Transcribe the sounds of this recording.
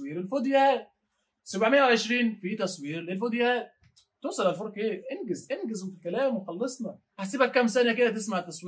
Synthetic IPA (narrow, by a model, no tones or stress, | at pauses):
iːɾelfod̪jæːl | sæbʕmejːæwʕeʃɾiːnfit̪ɑsˤwiːɾlelfod̪jæːl | t̪oːsˤɑlælfoɾkeːʔenɡezʔenɡezmʊt̪lkælæːmwexɑlːɑsˤnɑ | ħasiːbækːæmsænæk̬ed̪æt̪esmaʕt̪ːæsˤwi